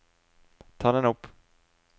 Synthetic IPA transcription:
t̪ʰɑːd̪ɛnɵpː

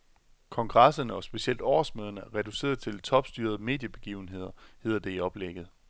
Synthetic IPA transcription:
kʰɒ̽ŋɡ̥ʁɑsɐnəɒ̽sb̥e̝siel̰d̥ɒ̰ːsmøːð̞ˠɐnəæʁɛd̥use̝̰ːɐð̩ˠt͡sʰe̝lt͡sʰɒ̽b̥sd̥yːɐð̞ˠme̝̰ːd̥jəb̥e̝ɡ̥iːʊn̩ɦe̝ð̞̰ˠɐhe̝ð̰ˠɐd̥e̝iɒ̽b̥leɡ̥ð̩ˠ

